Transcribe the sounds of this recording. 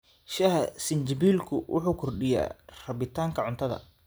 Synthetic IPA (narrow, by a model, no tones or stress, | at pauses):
ʃɐhɐsɪnt͡ʃɪbiːlkʰʊwʔʊ̰ħuːkʰʊrɖɪja̰ːrɐβɪt̪ʰaːŋkʰɐʕʊnt̪ʰɐðɐ̰